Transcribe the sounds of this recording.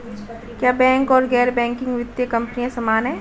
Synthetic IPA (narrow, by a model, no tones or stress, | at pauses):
kjaːbɛ̃ːŋkɔːɾɡɛːɾbɛ̃ːŋkɪ̃ŋɡʋɪt̪jəkɐ̃mpnijãsɐmaːnɦɛ̃ː